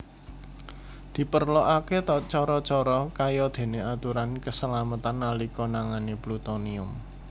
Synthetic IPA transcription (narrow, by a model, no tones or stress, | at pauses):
d̪̥i̤pərlɔʔaket̪ɔt͡ʃɔɾɔt͡ʃɔɾɔkajɔd̪̥e̤neat̪uɾankəsəlamət̪analikɔnaŋaneplut̪ɔniʊm